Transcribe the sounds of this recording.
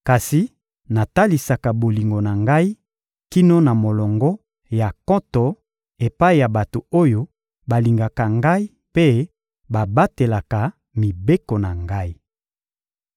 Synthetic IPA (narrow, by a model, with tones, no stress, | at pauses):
ka˨si˨ | na˨ta˦li˨sa˨ka˨bo˨li˨ŋɡo˨na˨ŋɡa˦i˦ | ki˦no˦na˨mo˨lɔ˨ŋɡɔ˦ | ja˨kɔ˦tɔ˨ | e˨pa˦i˦ja˨ba˨to˨o˦jo˦ | ba˨li˨ŋɡa˨ka˨ŋɡa˦i˦ | pe˦ | ba˨ba˦te˨la˨ka˨ | mi˨be˦ko˨na˨ŋɡa˦i˦